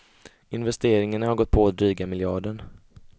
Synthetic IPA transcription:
ɪnvɛst̪eːɾɪŋaɳahaɾɡɔt̪̚ːpʰɔat̪̚d̪ɾyːɡamɪljɑːɖəɳ

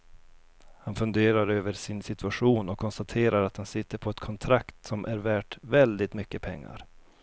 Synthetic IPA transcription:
hanfɵnd̪eːɾaɾøːvəɾʂɪnsɪt̪ɵaɧuːnɔkʰːɔnst̪at̪ʰeːɾaɾat̪hansɪt̪ːəɾpʰɔɛt̪kʰɔnt̪ʰɾakt̪sɔmʔæɾvæːʈvɛld̪ɪt̪mʏkːəpʰɛŋːa̰ɾ

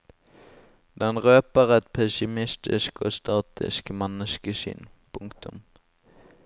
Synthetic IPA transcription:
d̪ɛnʁøːpəʁɛt̪̚pʰɛsɪmɪst̪ɪ̰sko̰ːst̪ɑːt̪ʰɪ̰skmɛnəskəʃʏ̰npʰʊŋkt̪ʊm

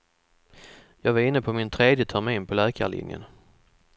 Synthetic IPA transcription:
jɑːɡvɑɾɪnːəpʰɔmɪnt̪ʰɾeːd̪jət̪ʰæɾmeːnpʰɔlɛːkʰa̰lɪ̰njə̰n

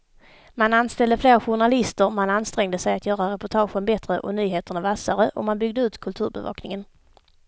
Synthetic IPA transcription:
mananst̪ɛld̪əfleːɾɧʊɳalɪst̪əɾmananst̪ɾɛŋd̪əsɛjat̪ʰjœːɾaɾɛpʊʈʰɑːɧənbɛt̪ɾəʔɔnyːɦeːt̪əɳavasaɾəʔɔ̰manbʏɡ̚d̪əʉ̟ːt̪kʰɵlt̪ʰʉ̟ːɾbɛ̰vɑ̰ːknɪŋən

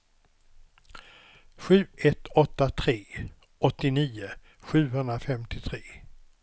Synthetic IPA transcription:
ɧʉ̟ːɛt̪ɔt̪ːat̪ʰɾeː | ɔt̪ːɪniːʊ | ɧʉ̟ːɦɵnd̪ɾafɛmt̪ʰɪt̪ʰɾeː

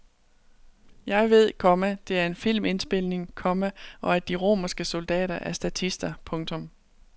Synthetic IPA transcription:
jɑ̈ɪʋe̝ð̞̰ˠkʰɒ̽mæd̥e̝æɐe̝nfil̰me̝nsb̥e̝l̰ne̝ŋkʰɒ̽mæʔɒ̽æɐd̥iʁo̝̰ːmɐsɡ̥əso̝ld̥ɛ̰ːɾɐʔæɐsd̥æt͡sʰisd̥ɐpʰɔ̽ŋt͡sʰɔ̽m

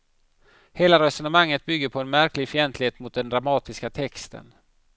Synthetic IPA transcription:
heːlaɾɛsɔnəmaŋːət̪̚bʏɡːəɾpʰɔɛnmæɾklɪɡfœɛnt̪ʰlɪheːt̪mʊt̪̚d̪ɛnd̪ɾamɑːt̪ɪskat̪ʰɛkst̪ə̰n

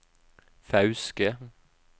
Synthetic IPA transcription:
fɑʉskə

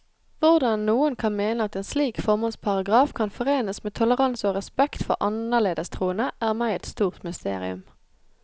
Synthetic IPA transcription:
ʋʊʁd̪ɑnːuːənkʰɑnmeːnəɑt̪eːnsliːkfɔʁmɑnspʰɑʁɑɡʁɑːfkʰɑnfɔʁeːnəsmeːt̪ʰʊləʁɑnsoːʁɛspɛkt̪fɔ̰ʔɑnəʁleːd̪əst̪ʰʁuːənəʔæːʁmæɪɛt̪st̪uːʁt̪mʏst̪ḛːʁɪ̰ʉ̰m

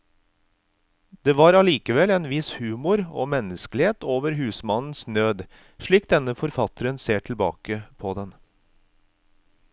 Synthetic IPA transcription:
d̪̥eːʋɑːɾɑliːkəʋɛlɛnʋɪshʉːmʊɾoːmɛnəskəlɪheːt̪oːʋəɾɦʉːsmɑnn̩snøːd̪ | ʃɭiːk̚d̪ɛnəfɔɾfɑt̪əɾənseːʈʰɪlbɑ̰ːkəpʰɔd̪ɛn

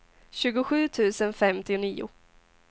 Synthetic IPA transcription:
ɕʉ̟ːɡʊɧʉ̟ːt̪ʰʉ̟ːsənfɛmt̪ɪʊniːʊ̰

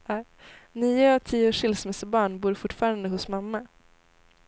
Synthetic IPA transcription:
niːəɔt̪ʰiːʊʂɪlsmɛsəbɑːɳbuːɾfʊʈːfɑːɾand̪əhʊsmamːa

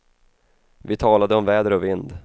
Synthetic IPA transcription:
vɪt̪ʰɑːlad̪əɔmvɛːd̪əɾɔvɪnd̪

